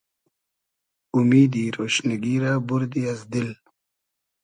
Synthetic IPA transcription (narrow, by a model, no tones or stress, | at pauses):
umiːd̪iɾoːʃnaɡiɾabʊɾd̪iazd̪ɪl